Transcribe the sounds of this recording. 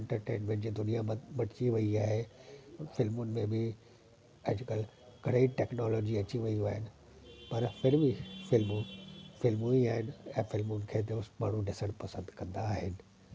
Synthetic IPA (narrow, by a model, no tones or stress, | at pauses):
ɛ̃ɳʈəɾʈẽːnmẽʈd͡ʑiːd̪ʊnijamɐʈɪt͡ɕiʋɐiaːɦe | fɪlmʊnɪ̆mẽbɪ | ɐd͡ʑɪkəl | ɡʱɐɽəiʈɛːknɔːlɔːd͡ʑiɐt͡ɕiʋɐiaːɦɪnɪ̆ | pɐɾfɪɾbifɪlmũfɪlmũiaːɦɪnɪ̆ɛ̃ːfɪlmʊnɪ̆kʰeːt̪eʊsmaːɳ̤ũɖɪsəɽ̃pɐsə̃nd̪kɐ̃nd̪aːɦɪnɪ̆